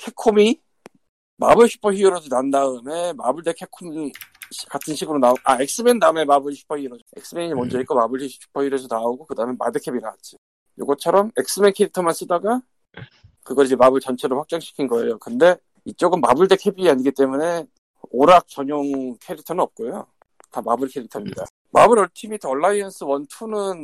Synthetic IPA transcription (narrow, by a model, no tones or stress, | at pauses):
kʰe̞kʰomi | mabɯɭɕʰu̥pʰʌçiɯɾʌd͡ʑonandaɯme̞mabɯɭde̞kʰe̞kʰomɕkatʰɯnɕʰiɡɯɾonaoʔaek̚s͈ɯmendaɯme̞mabɯɭɕʰu̥pʰʌiɯɾʌd͡ʑoek̚s͈ɯmeɲimʌnd͡ʑʌik͈omabɯɭɕʰi̥pʰʌɕiɾesonaoɡokɯdamema̰dɯkʰe̞bina̰at͡ɕ͈i | jo̰ɡʌt͡ɕʰʌɾʌme̞k̚s͈ɯmenkʰeɾitʰʌmans͈ɯdaɡa | kɯɡʌɾid͡ʑemabɯɭt͡ɕʌnt͡ɕʰeɾoɭɸak̚t͡ɕ͈ʌŋɕʰi̥kʰinɡʌe̞̰jokɯnde̞ | it͡ɕ͈oɡɯmːabɯɭde̞kʰe̞biaɲiɡit͈e̞mune̞ | oɾak̚t͡ɕʌɲoŋkʰeɾitʰʌnɯnʌp̚k͈ojo̰ | tamabɯɭkʰe̞ɾik̚tʰʌmɲida̰ | ma̰bɯɾʌɭtʰimitʰʌɭːaiʌnsʰɯwʌntʰunɯn